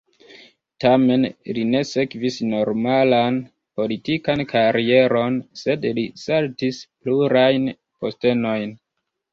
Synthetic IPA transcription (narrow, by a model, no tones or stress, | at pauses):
tame̞nline̞se̞kvisno̞ɾmalan | po̞litikankʰaɾie̞ɾo̞nse̞dlisaltispluɾajn | po̞ste̞no̞jn